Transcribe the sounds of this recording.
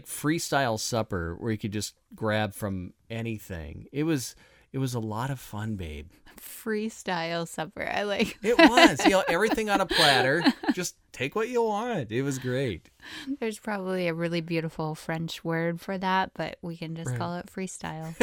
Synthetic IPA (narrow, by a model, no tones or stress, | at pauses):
kfɹistaɪlˠsʌpə̰˞wʔə̰˞jɨkʰɨd̚d͡ʒʌs | ɡ̥ɹæb̥fɹʌ̃mɛñiθɪ̰̃ŋɪt̚wʌz | ɨt̚wʌzəlɔɾʌv̥fʌ̃nbeɪb̥̚fɹistaɪlˠsʌpə̰˞a̰ɪlaɪkɪt̚wʌzjɨoɛvɹiθɪ̃ŋə̃nəpʰl̥æɾə˞d͡ʒʒ̥ʌstʰeɪkwʌt͡ʃəɑntɨt̚wʌzɡɹeɪt̚ðə˞z̥pʰɹ̥ɑbəbliɨɹɪlˠibjʉɾəfl̩ˠfɹɛ̃nt͡ʃwɜ˞d̥fə˞ðæt̚b̥ʌ̰ʔ̚wikɨ̃nd͡ʒʌskʰɔlˠɪtfɹista̰ɪlˠ